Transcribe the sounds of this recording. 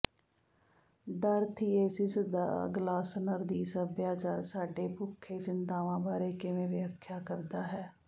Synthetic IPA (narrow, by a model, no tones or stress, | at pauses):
ɖəɾt̪ʰiːeːsɪsd̪a̰ːɡlaːsnəɾd̪iːsəbjaːt͡ʃaːɾsaːɖeːpʊkʰːet͡ʃɪnt̪aːʋãːbʱaːɾeːkemẽʋjaːkʰːjaːkəɾd̪aːɦɛː